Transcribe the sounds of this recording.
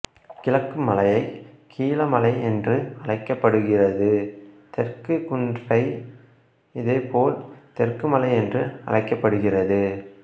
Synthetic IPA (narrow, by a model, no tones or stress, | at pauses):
kɪlɐkːɯmɐlɐjɐɪ | kʰiːlɐmɐlɐɪɛndrɯɐlɐɪkːɐpːɐɽɯɣɪrɐðɯt̪ɛrkɯkʊndrɐɪ | ɪðeːpoːlt̪ɛrkɯmɐlɐɪɛndrɯɐ̰lɐɪkːɐpːɐɽɯɣɪrɐðɯ